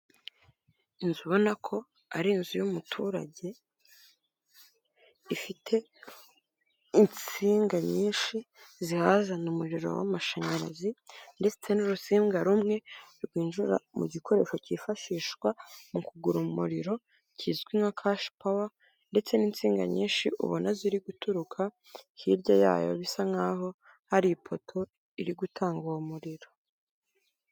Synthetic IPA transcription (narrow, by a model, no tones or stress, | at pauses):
inzuβo̞nakʰo̞ | aɾinzujumutʰuɾa̰ɟe̞ | ifitʰe̞ | int͡siːŋɡaɲiːnʃi | zihazanumuɾiɾo̰wa̰maʃaɲaɾa̰zinde̞t͡se̞nuɾusiːŋɡaɾumŋe̞ɾɡwiːnʒuɾa̰mṵɟikʰo̞ɾe̞̰ːʃo̞cifaʃiːʃkwamukuɡuɾumuɾiɾo̞ | cʰizɡwinakʰaʃpawa | nde̞t͡se̞niːnt͡siːŋɡa̰ɲiːnʃiʔṵβonaziɾiɡutuɾukʰa | hiɾɟaja̰ːjo̰βisaŋaɦo̞ | haɾiipʰotʰo̞ | iɾiɡutʰaːŋɡuomuɾiɾo̞